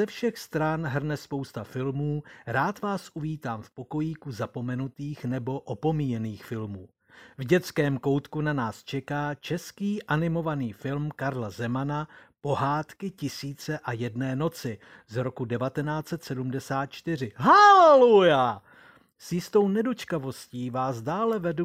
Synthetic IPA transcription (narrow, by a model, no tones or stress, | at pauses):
zɛfʃɛxst̪ɾanɦr̩nɛspo̞wst̪afɪlmuːɾaːt̪vaːsʔuviːt̪aːmfpo̞ko̞jiːkuzapo̞mɛnut̪iːxnɛbo̞ʔopo̞miːjɛniːxfɪlmuː | vɟɛt͡skɛːmko̞wt̪kunanaːst͡ʃɛkaːt͡ʃɛskiːʔanɪmo̞vaniːfɪlmkaɾlazɛmanapo̞ɦaːt̪kɪcɪsiːt͡sɛʔajɛdnɛːno̞t͡sɪ | zɾo̞kudɛvat̪ɛnaːt͡sɛt̪sɛdumdɛsaːt̪̚t͡ʃt̪ɪr̝ɪɦalɛluja | sjɪst̪o̞wnɛdo̞t͡ʃkavo̞sciːvaːzdaːlɛvɛdu